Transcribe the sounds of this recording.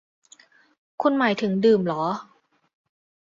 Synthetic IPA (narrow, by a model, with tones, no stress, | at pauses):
kʰu˧nmaː˩˦jt̪ʰɯ˩˦ŋdɯː˨˩mlɔː˩˦